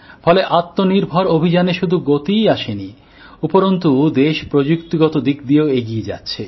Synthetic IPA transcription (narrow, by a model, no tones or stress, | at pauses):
fɔleʔat̪ːoniɾbʱɔɾobʱid͡ʑaneʃud̪ʱuɡot̪ijaʃeni | upoɾont̪ud̪eʃpɾod͡ʑukt̪iɡɔt̪od̪ik̚d̪ieoeɡied͡ʑa̰tːɕʰe